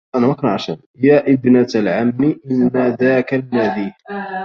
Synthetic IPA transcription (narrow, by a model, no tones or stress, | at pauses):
ʔanamakʊnʕaʃa̰n | jaːʔɪbnat̪lʕamniʔɪnːaðaːkalːad̪iːh